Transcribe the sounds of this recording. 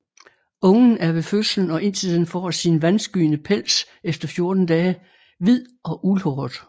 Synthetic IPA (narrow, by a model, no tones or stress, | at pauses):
ɔ̽ŋn̩æɐʋe̝føsln̩ɒ̽ʔe̝n̰sið̰ˠn̩fɒ̰ːsinʋænsɡ̥y̰ːnəpʰel̰s | efd̥ɐfjo̝ɐd̥n̩d̥ɛː | ʋið̰ˠɒ̽ʔulhɒːð̥ˠ